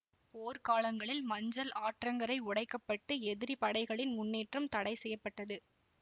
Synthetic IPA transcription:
poːɾkaːlɐŋɡɐɭɪlmɐɲd͡ʒɐlaːʈrɐŋɡɐɾɐɪʊɽɐɪkːɐpːɐʈːɯɛðɪɾipɐɽɐɪɣɐɭɪnmʊnːeːʈrɐmt̪ɐɽɐɪsɛjːɐpːɐʈːɐðɯ

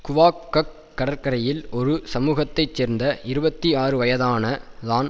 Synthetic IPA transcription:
kʊʋaːkːɐkːɐɽɐɾkɐɾɐjɪlɔɾɯsɐmuːɣɐt̪ːɐɪt͡ʃːeːɾnd̪ɐɪɾɯbɐt̪ːiaːrɯʋɐjɐðaːnɐðaːn

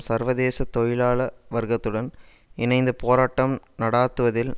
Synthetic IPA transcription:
sɐɾʋɐðeːsɐt̪ːɔjɪlaːlɐʋɐɾɣɐt̪ːɯɽɐn | ɪnɐɪnd̪ɯpoːɾaːʈːɐm | nɐɽaːt̪ːɯʋɐðɪl

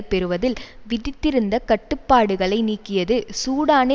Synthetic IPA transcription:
pɛɾɯʋɐðɪlʋɪðɪt̪ːɪɾɯnd̪ɐkɐʈːɯpːaːɽɯɣɐɭɐɪniːkːɪjɐðɯsuːɽaːne

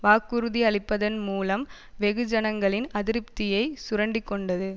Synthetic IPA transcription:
ʋaːkːɯɾɯðiɐɭɪpːɐðɐnmuːlɐm | ʋɛɣɯd͡ʒɐnɐŋɡɐɭɪnɐðɪɾɯpt̪ɪjɐɪsʊɾɐɳɖɪkːɔɳɖɐðɯ

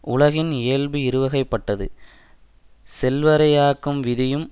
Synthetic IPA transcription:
ʔʊlɐɣɪneːlbɯɪɾɯʋɐɣɐɪpːɐʈːɐðɯ̰ | sɛlʋɐɾɐjaːkːɯmʋɪðɪjɯm

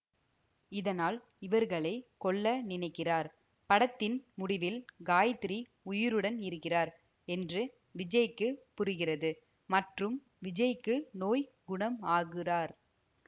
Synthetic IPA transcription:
ɪðɐnaːl | ɪʋɐɾɣɐɭɐɪkɔɭːɐnɪnɐɪkːɪraːɾ | pɐɽɐt̪ːɪnmʊɽɪʋɪlɡaːjɐt̪ɪɾi | ʊjɪɾɯɽɐnɪɾɯkːɪraːɾ | ɛndrɯ | ʋɪd͡ʒɐjɪkːɯpːʊrɯɣɪrɐðɯ | mɐʈrɯm | ʋɪd͡ʒɐjɪkːɯnoːj | ɡʊɳɐmaːɣɪraːɾ

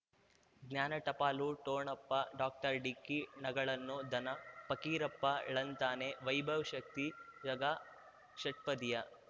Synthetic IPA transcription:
ɡnjaːnɐʈɐpaːluʈoːɳɐpːɐɖaːk̚ʈɐɾɖikinɐɡɐɭɐnːud̪ʱɐnɐpɐkiːɾɐpːɐ̰ɭɐnt̪aːneʋɐjbʱɐʋʃɐk̚t̪iɾɐɡaː | ʃɐʈ̚pɐd̪ijɐ

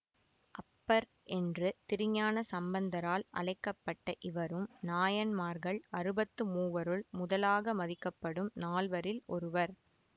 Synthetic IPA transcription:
ʔɐpːɐɾ | ʔɛndrɯt̪ɪɾɪɲaːnɐsɐmbɐnd̪ɐɾaːlʔɐ̰ɭɐɪkːɐpːɐʈːɐʔɪʋɐɾɯmnaːjɐnmaːɾɣɐɭɐɾɯbɐt̪ːɯmuːʋɐɾɯɭmʊðɐlaːɣɐmɐðɪkːɐpːɐɽɯmnaːlʋɐɾɪlɔɾɯʋɐɾ

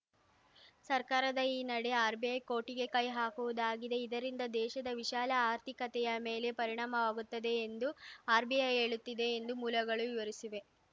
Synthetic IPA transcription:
sɐɾkaːɾɐd̪ɐiːnɐɽeaːɾbijɐjko̞ːʈiɡe̞kɐjɦaːkuʋud̪aːɡid̪e̞id̪ɐɾind̪ɐd̪ɛːʃɐd̪ɐʋiʃaːlɐaːɾt̪ʰikɐt̪ɛjɐmeːle̞pɐɾiɳaːmɐʋaːɡut̪ːɐd̪e̞ːnd̪uaːɾbijɐje̞ːɭut̪ːid̪e̞ːnd̪umuːlɐɡɐɭuʋiʋɐɾisiʋe̞

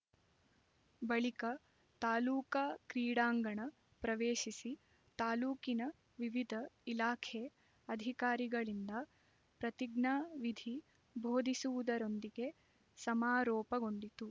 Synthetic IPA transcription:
bɐɭikɐ | t̪aːluːkaːkɾiːɽaːŋɡɐɳɐ | pɾɐʋeːʃisi | t̪aːluːkinɐ | ʋiʋid̪ʱɐilaːkʰe | ɐd̪ʱikaːɾiɡɐɭind̪ɐ | pɾɐt̪iɡɳaːʋid̪ʱi | bʱoːd̪ʱisuʋud̪ɐɾo̞nd̪iɡe̞ | sɐmaːɾɔːpɐɡo̞ɳɖit̪u

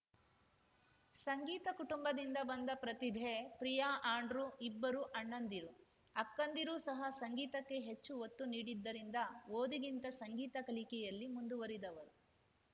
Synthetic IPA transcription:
sɐŋɡiːt̪ɐkuʈumbɐd̪ind̪ɐbɐnd̪ɐpɾɐt̪ibʱepɾijaːʔaːɳɖɾuibːɐɾuʔɐɳːɐnd̪iɾu | ɐkːɐnd̪iɾusɐɦɐsɐŋɡiːt̪ɐkːe̞ɦe̞t͡ʃːuot̪ːuniːɽid̪ːɐɾind̪ɐʋoːd̪iɡint̪ɐsɐŋɡiːt̪ɐkɐlikɛjɐlːimund̪uʋɐɾid̪ɐʋɐɾu

